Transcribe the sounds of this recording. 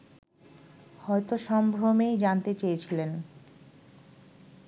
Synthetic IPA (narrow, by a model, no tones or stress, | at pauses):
hɔet̪oʃɔmbʱɾomejd͡ʑant̪et͡ɕejet͡ɕʰilen